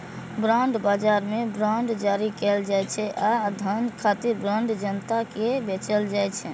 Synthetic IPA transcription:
bɾaɳɖbad͡ʒaɾmebɾaɳɖd͡ʒaɾikɛld͡ʒajt͡ʃʰɛʔad̪ʱənkʰat̪iɾbɾaɳɖd͡ʒənt̪akebet͡ʃəld͡ʒajt͡ʃʰɛ

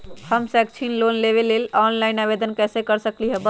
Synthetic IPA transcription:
həmsɛkt͡ʃʰinlonleβelelɔnlaɪnabed̪ənkɛsekəɾsəkliɦəbə

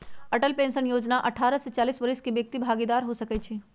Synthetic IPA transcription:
ɐʈəlpẽːnsənjoːd͡ʒnaʔɐʈʰaːɾəset͡ʃaːliːsʋɐɾɪskiʋjək̚t̪ibʱaːɡid̪aːɾɦosɐkɛt͡ʃʰi

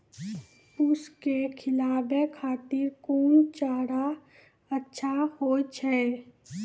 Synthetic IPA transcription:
ʊskekʰɪlaːbekʰaːt̪ɪɾkoːnt͡ʃaːɽa | ətːʃʰahoːt͡ʃʰɛː

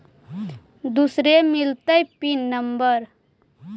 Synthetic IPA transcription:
d̪usɾemɪlt̪əjpinːəmbəɾ

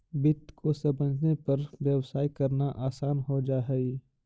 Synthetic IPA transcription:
bɪt̪ːkʰosɐ̃bə̃d͡ʒʱnepɐɾʋjɐwsaːikɐɾnaʔaːsaːnɦod͡ʒaːɦɛi

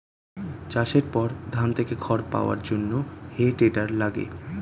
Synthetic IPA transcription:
t͡ɕaʃeɾpɔɾd̪ʱant̪ʰekekʰɔɾpa̰oa̰ɾd͡ʑonːoheʈeʈaɾlaɡḛ

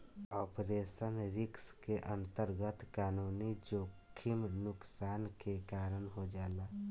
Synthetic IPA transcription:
ɔːpɾeːʃənɾɪkskeʔə̃nt̪əɾɡət̪kaːnuːnid͡ʒoːkʰɪmnʊksaːnkekaːɾənɦod͡ʒaːlaː

